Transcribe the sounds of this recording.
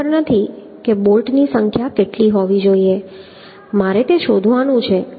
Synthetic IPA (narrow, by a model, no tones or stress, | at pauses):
əɾnət̪ʰi | kebolʈnisəŋkʰjakeʈliɦɔʋid͡ʒoie | maɾet̪eʃod̪ʱʋanũt͡ʃʰe